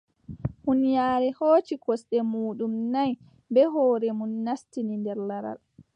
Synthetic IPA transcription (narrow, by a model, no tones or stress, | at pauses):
hunijaːɾɛhoːt͡ʃikɔsɗɛmuːɗumnaj | bɛɦɔːɾɛmunːastinindɛɾlaɾa̰l